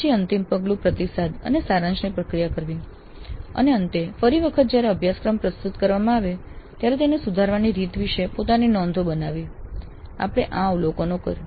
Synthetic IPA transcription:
t͡ʃʰiənt̪impəɡlũpɾət̪isad̪ə̰nesaɾãt͡ʃnipɾəkɾijakəɾʋi | ə̰neənt̪efəɾiʋəkʰət̪̚d͡ʒjaɾeəbʱjaskɾəmpɾəst̪ut̪kəɾʋamãːʋet̪jaɾet̪enesud̪ʱaɾʋaniɾit̪ʋiʃepot̪aninɔnd̪ʱobənaʋi | a̰pəɽ̃eʔãʋlokonokə̰ɾ

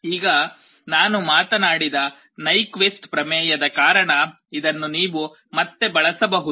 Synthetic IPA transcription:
iːɡɐ | naːnumaːt̪ɐnaːɽid̪ɐ | nɐjkʋesʈpɾɐmɛːjɐd̪ɐkaːɾɐɳɐ | id̪ɐnːuniːʋu | mɐt̪ːe̞bɐɭɐsɐbɐɦud̪u

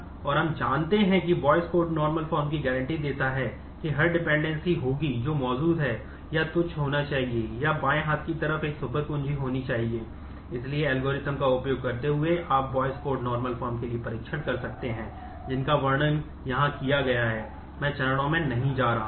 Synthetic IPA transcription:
ɔːɾɦɐmd͡ʒaːnt̪eɦɛ̃kibɔːɪskoːɾʈnɔːɾməlfɔːɾmkiɡɛːɾə̃ɳʈid̪eːt̪aɦɛ | kiɦɐɾɖɪpɛ̃ːɳɖɛ̃nsiɦoːɡid͡ʒoːmɔːd͡ʒuːd̪ɦɛː | jat̪ʊt͡ʃʰɦoːnat͡ʃaːɦiejabaːẽɦaːt̪̚kit̪ɐɾəfeːksʊpəɾkʊ̃nd͡ʒiɦoːnit͡ʃaːɦieː | ɪslieɛːlɡoːɾɪt̪əmkaʊpjoːɡ̚kɐɾt̪eɦʊeʔaːp̚ʋɔːɪskoːɾʈnɔːɾməlfɔːɾmkeliepɐɾiːkʃənkɐɾsɐkt̪eɦɛ̃ː | d͡ʒɪnkaʋɐɾɳən | jɐɦãkijaɡɐjaɦɛː | mɛ̃ːt͡ʃɐɾɽ̃õmẽnɐɦĩd͡ʒaːɾaː

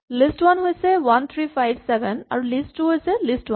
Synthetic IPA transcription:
lɪsʈwɐnɦojsɛwant̪ʰɹiːfajbsɛbɛna̰ɹulɪsʈːuɦojsɛlɪsʈwã

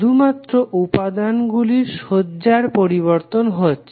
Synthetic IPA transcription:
d̪umat̪ːɾoʔupad̪anɡuliɾʃodːd͡ʑaɾpoɾiβoɾt̪onɦoe

